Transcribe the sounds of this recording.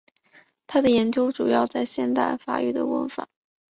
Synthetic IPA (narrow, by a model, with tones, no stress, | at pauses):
t̪ʰa˥d̪ə˨jɛ˧˥nt͡ɕjo˥ʊʈ͡ʂu˨˩jɑ˥˧ʊt͡sa˥˧ɪɕjɛ˥˧nt̪a̰˥˩ɪfa̰˨˩y̰˥˩d̪ə̰˩wə̰˧˥nfa̰˨˩˦